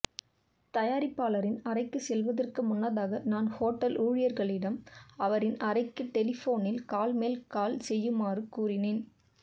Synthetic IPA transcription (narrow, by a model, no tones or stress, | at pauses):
t̪ɐjaːɾɪpːaːlɐɾɪnɐrɐɪkːɯsɛlʋɐðɐrkɯmʊnːɐðaːɣɐnaːnhoːʈːɐlʔuːɻɪjɐɾɣɐɭɪɽɐmɐʋɐɾɪnɐɾɐɪkːɯʈːɛlɪfoːnɪlkaːlmeːlkaːlsɛjːɯmaːrɯkuːrɪneːn